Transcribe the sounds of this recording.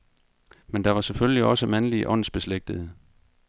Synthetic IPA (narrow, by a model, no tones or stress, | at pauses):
mend̥ɑ̈ʋɑ̈sefølʲjliɒ̽səmænliʔɒ̽n̰n̩sb̥e̝sleɡ̥̚d̥əð̩ˠə